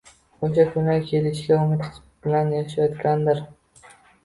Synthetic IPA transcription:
oʃakʰʊnakʲʰe̞lɪʃkʲaomɪt̪ʰɪ | b̥ɪlanjaʃajɒt̪kʲand̪ɪɾ

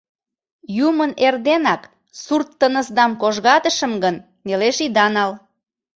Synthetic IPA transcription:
jumənerd̪enɑk | surt̪ːənəsd̪ɑmkoʒɣɑt̪əʃəmɡənːeleʃid̪ɑnɑl

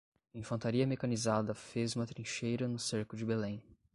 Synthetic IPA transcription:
ĩfɐ̃nt̪aɾiɐmekɐnizad̪ɐfezũmɐt̪ɾĩʃejɾɐnʊseɾkʊd͡ʒɪbelẽj̃

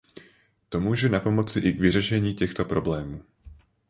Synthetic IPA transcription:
t̪omuːʒɛnapo̞mo̞t͡sɪʔɪkvɪr̝ɛʃɛɲiːcɛxt̪o̞pɾo̞blɛːmuː

